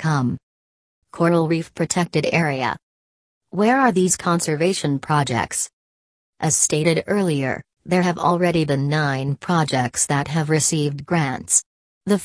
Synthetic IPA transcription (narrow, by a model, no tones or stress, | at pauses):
kʰʌ̃m | kʰɔɹnl̩ˠɹifpʰɹ̥ɨtʰɛk̚tɨɾɛɹiɨ̰ | wɛɹə˞ðiz̥kʰɑ̃nsə˞veɪʃɨ̃npʰɹ̥ɑd͡ʒɛ̰k̚ts | ʔɨz̥steɪɾɨɾɜ˞lˠiə̰˞ | ðə˞ɨvl̩ˠɹɛɾibɨ̃nːãɪ̃npʰɹ̥ɑd͡ʒɛk̚tsðɨt̚ɦɨvɹɨsivdɡɹæ̃nts | ðə